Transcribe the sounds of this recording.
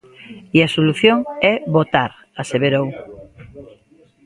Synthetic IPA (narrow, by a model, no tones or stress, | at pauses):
iasoluθjoŋɛβot̪aɾ | aseβeɾow